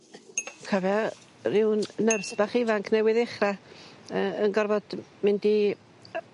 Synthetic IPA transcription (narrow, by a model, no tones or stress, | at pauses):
kʰavja | rɪwnnərsb̥aχɪvaŋkʰnɛwɪðɛχraəənɡɔrvɔd̥mɪndi